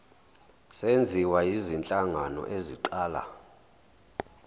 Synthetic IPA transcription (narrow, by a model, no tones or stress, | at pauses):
send͡zʱiwajizint͡ɬʼaŋanɔ̰ʔeziǃaːla̰